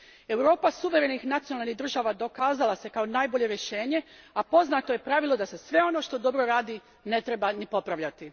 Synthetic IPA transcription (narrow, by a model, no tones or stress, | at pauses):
e̞wɾo̞ːpasuʋe̞ɾenixnat̪sijonalniɦd̪r̩ʒaːʋad̪o̞kaːzalˠase̞kaonajbo̞ʎe̞ɾjeʃe̞ːɲe̞apo̞znaːt̪o̞je̞pɾaʋilˠo̞d̪ase̞sʋe̞o̞no̞ʃt̪o̞d̪o̞bɾo̞ɾaːd̪i | ne̞t̪ɾe̞banipo̞pɾaʋʎat̪i